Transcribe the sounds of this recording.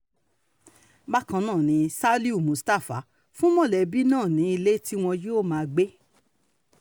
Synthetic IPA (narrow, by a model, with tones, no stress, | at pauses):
ba˦kã˧nãː˦˨nĩ˨˧sa˦li˦u˦˨mũ˨sta˦˨fa̰˨˦ | fũ˦mɔ̃˦˨lɛ˨˦bi˦nãː˦˨nĩ˨˦i˧le˦ti˦w̃ɔ̃˧jo˦˨mãː˧ɡ͡be˦